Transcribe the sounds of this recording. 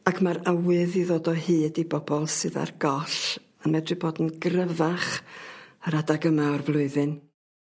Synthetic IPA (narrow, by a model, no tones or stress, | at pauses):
akʰmaɾawɨðiðoːdɔhɨːdibɔbɔlˠsɨða̰rɡɔɬ | anmɛdrɨboːdn̩ɡrəvaχ | əɾadaɡəmaɔrvlˠʊɨðɨn